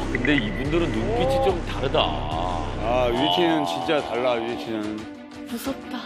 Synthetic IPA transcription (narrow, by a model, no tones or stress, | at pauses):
kɯnde̞ibundɯɾɯnːumkit͡ɕʰit͡ɕomtaɾɯda̰ | aɥiet͡ɕʰenɯnt͡ɕint͡ɕ͈ataɭːaɥiet͡ɕʰenɯnɯn | pus͈ʌt͈a